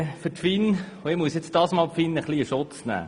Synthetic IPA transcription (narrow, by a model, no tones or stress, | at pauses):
fətfin | ʊɪmuəsjɛt͡sd̥ɑːsmɑːlpfinəχliəʃʊtt͡snæ̰ː